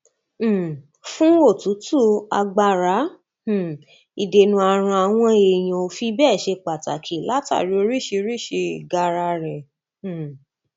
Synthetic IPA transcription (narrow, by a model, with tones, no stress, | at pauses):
fũ˦o˦˨tu˨˦tu˦˨a̰˧ɡ͡ba˧ɾã˨˦˨ | i˨de˧nũ˧a˧ɾ̃ã˧a˧˨w̃ɔ̃˧e˨j̃ã˨o˧fi˧˦bɛː˦˨ʃe˧k͡pa˨ta˨kʰi˨˦la˦ta̰˦˨ɾi˨˦o˧ɾi˦˨ʃe˧ɾi˦˨ʃe˧˨ɡa˧ɾa˧ɾɛ̃˨